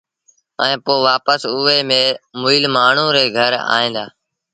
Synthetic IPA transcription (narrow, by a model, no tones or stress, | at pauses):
ɛ̃ːpoːʋaːpəsʊeːmẽːmʊilmaːɳ̤ũːɾeːɡʱəɾa̰ːɦĩːd̪aː